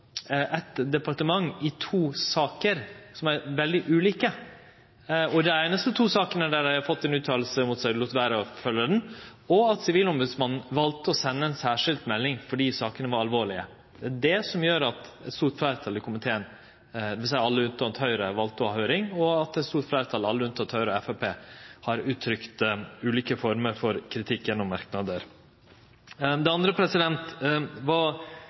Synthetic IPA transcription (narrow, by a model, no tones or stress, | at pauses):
ʔɛt̪d̪ɛpɑɾʈəmɑŋːɪt̪ʰuːsɑːkəɾsɔmæɾʋɛld̪ɪʔʉːliːkə | ɔd̪ɛæɾnɛst̪ət̪ʰuːsɑːkənəɖæɾæɪhɑɾfɔt̪ːɛnʉːt̪ʰɑːlsəmʊt̪sæɪluːt̪ʋæːɾəɔfœlːəd̪ɛnɔɑt̪sɪʋiːlɔmbʉd̪smɑnn̩ʋɑlt̪əɔsɛnːəɛnsæːʂɪld̪mɛlːɪŋfɔɖiːsɑːkənəʋɑɾɑlʋoːɭɪə̰ | d̪̥ɛæɖɛsɔmjøːɾɑt̪ɛt̪st̪uːɾt̪flæɪɾət̪ʰɑlːəkʰʊmɪt̪ʰeːən | ʋɪsæɪɑlːəʉnt̪ɑnt̪hœʏɾəʋɑlt̪əɔhɑhœːɾɪŋɔɑt̪ɛt̪st̪uːɾtflæɪɾət̪ʰɑlɑlːəʉnt̪ɑt̪ʰhœʏɾəɔɛfæpʰeːhɑɾʉːt̪ʰːɾʏkt̪ʉːliːkəfɔɾməɾfɔɾkʰɾɪt̪ʰɪkːjɛnːɔmːɑɾknɑd̪əɾ | d̪ɛɑnd̪ɾəpʰɾɛsɪd̪ɛnt̪ʋɑ